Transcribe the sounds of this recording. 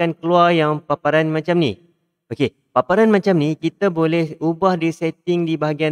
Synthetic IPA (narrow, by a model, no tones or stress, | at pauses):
ankəluarjaŋpapaɾanmãt͡ʃamnḭ̃ | oke | papaɾanmãt͡ʃamnĩkit̪abolɛhubahdisɛt̪̚ɪŋdibaɦaɡia